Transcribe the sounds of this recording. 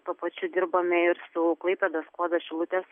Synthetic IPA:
t̪uɔpɐt͡ʃʲʊd̪ʲɪɾboːmʲɛɪɾsʊklˠɐɪpʲɛd̪oːskoɔd̪oʃʲɪlˠʊt̪ʲeːs

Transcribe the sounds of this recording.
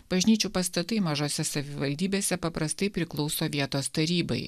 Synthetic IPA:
b̥ɐʒʲnʲiːt͡ʃʲupɐst̪ɐt̪ɐɪmɐʒoːsʲɛsɐʋʲɪʋɐlʲd̪ʲiːbʲeːsʲɛpɐpɾɐst̪ɐɪpʲɾʲɪklˠɒʊsoːʋʲiɛt̪oːst̪ɐɾʲiːbɐ̰ɪ

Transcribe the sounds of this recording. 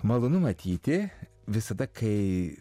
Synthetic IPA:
mɐlˠonʊmɐt̪ʲiːt̪ʲɪ | ʋʲɪsɐd̪ɐkʰɐɪ

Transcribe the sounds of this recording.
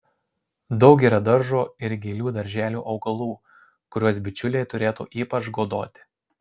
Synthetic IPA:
d̪ɒʊkʲiːɾɐd̪ɐɾʒoːɪɾɡʲɛɪlʲuːd̪ɐɾʲʒʲæːlʲṵːʔɒʊɡɐlˠuː | kʊɾʲuɔsbʲɪt͡ʃʲʊlʲejt̪ʊɾʲeːt̪ṵːʔiːpɐt͡ʃɡoːd̪oːt̪ʲɪ̥

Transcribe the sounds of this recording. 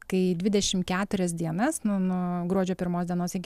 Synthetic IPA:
kɐɪdʲʋʲɪd̪ʲɛʃʲɪmkʲæːt̪ʊɾʲɛs̬d̪ʲiɛnɐsnʊnʊɡɾuɔd͡ʒʲoːpʲɪɾmoːsdʲiɛnoːsɪɡʲɪ

